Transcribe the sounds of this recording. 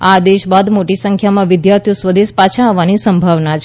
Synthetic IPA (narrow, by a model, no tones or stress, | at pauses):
ad̪eʃbad̪moʈisə̃ŋkʰjamãʋɪd̪jaɾt̪ʰjusʋəd̪eʃpat͡ʃʰãɦəʋanisəmbʱaʋnat͡ʃʰ